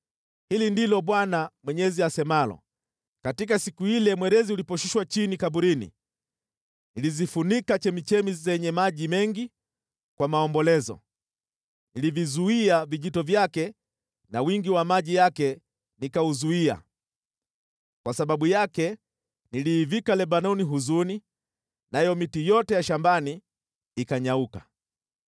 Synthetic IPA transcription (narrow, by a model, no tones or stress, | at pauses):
hilindilɔɓwanamwɛɲɛziasɛmalɔ̰ | katikasikuilɛmwɛɾɛziulipɔʃiʃwat͡ʃinikaɓuɾinḭ | nilizifunikat͡ʃɛmit͡ʃɛmizɛɲɛmaʄimɛŋɡi | kwamaɔmbɔlɛzɔ̰ | nilivizuiaviʄitɔvjakɛ | nawiŋɡiwamaʄijakɛ | nikauzuia̰ | kwasaɓaɓujakɛ | niliːvikalɛɓanɔniɦuzuni | najɔmitijɔtɛjaʃambani | ikaɲauka